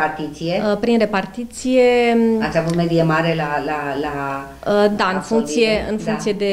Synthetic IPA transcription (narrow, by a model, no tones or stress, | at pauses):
aɾt̪it͡sijepɾinre̞part̪it̪sijeat͡ʃʰabumeɾiemaːɾelalaɦlaɦa | d̪aɨnfuŋkt̪sijeɨnfũŋk̪sije̞d̪e